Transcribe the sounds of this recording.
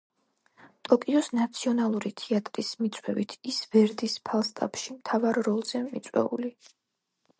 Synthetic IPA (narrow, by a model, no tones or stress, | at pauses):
t̪ʼɔkʼiɔsnat̪sʰiɔnalˠuɾit̪ʰiat̪ʼɾismit̪sʼwɛvit̪ʰisv̥ɛɾd̪ispʰalˠst̪ʼa̰pʃimt̪ʰavaɾɾɔlˠz̥ɛmit̪sʼwɛ̰ṵli